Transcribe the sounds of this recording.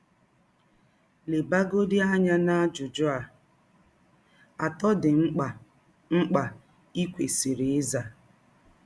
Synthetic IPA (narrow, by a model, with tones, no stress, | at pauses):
le˨ba˦ɡo˦di˦a˦ɲa˦na˦d͡ʒʊ˨d͡ʒʊ˦a˨ | a˨tɔ˦dɪ˨ŋ͡m̩˦k͡pa˨ | ŋ͡m̩˦k͡pa˨ | i˦kʷe˨si˨ɾi˨ɪ˦za˨